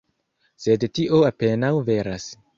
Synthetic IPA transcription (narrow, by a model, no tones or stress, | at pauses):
se̞dtiʔo̞ape̞nawve̞ɾas